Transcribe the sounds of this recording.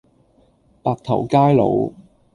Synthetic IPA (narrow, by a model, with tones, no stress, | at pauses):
paː˨˧k̚t̪ʰɐ̰˨˩wkaː˥jlo̰˨˧w